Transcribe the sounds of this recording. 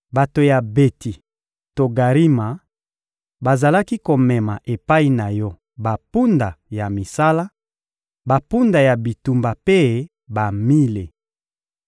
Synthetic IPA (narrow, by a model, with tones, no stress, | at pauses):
ba˨to˨ja˨be˨ti˨ | to˨ɡa˨ʁi˦ma˨ | ba˨za˨la˦ki˦ko˨mɛ˨ma˨ʔe˨pa˦i˨na˨jɔ˦ | ba˨pu˦nda˨ja˨mi˨sa˦la˦ | ba˨pu˦nda˨ja˨bi˨tu˨mba˨pe˦ | ba˨mi˦le˨